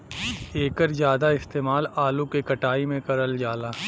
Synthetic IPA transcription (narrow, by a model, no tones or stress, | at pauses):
eːkəɾzjaːd̪aɪst̪eːmaːlaːlukekɐʈaːimẽkɐɾəld͡ʒaːlaː